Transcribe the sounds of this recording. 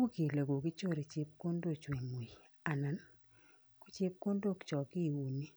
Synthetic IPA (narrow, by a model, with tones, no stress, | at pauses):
wo˦ki˨le˨ɡo˨kɪ˦t͡ʃo˦ɾe˨t͡ʃɪ˦p̚ko˦ndo˦t͡ʃwe˨mu˨i˨ | a˨na˨˦n | ku˦t͡ʃe˦p̚ko˦ndo˦˨kt͡ʃɔ˨kɪ˦˨wu˨ni˦